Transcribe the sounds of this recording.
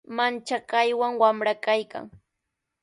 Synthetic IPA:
mant͡ʃakajwaŋwamɾakajka̰ŋ

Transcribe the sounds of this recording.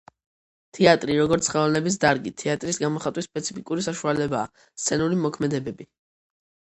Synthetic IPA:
t̪ʰɛat̪ʼɾiɾɔɡɔɾt̪sʰχɛlnɛbis̬d̪aɾɡit̪ʰɛat̪ʼɾisɡamɔχat̪ʼwispʼɛt̪sʰi̥pʰikʼuɾisaʃualɛbaː | st̪sʰɛnuɾimɔkʰmɛd̪ɛbɛbi

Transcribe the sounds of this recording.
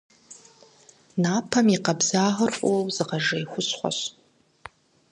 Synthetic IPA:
naːpʰɐmiqɐbzaːʁɐrfʼowzɨqɐʒɐjxʷʊsχʷɔ̰ɕ

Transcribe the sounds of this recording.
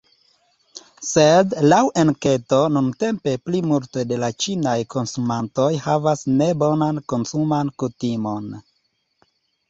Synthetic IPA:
sedlawʔenke̞to̞nunte̞mpe̞plimulte̞de̞lat͡ʃinajkʰo̞nsumanto̞jhavasne̞bo̞nanko̞nsumankutimo̞n

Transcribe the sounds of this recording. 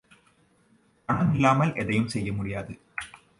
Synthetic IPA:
kɐɳɐmɪlːaːmɐlʔɛðɐjɯmsɛjːɐmʊɽɪjaːðɯ

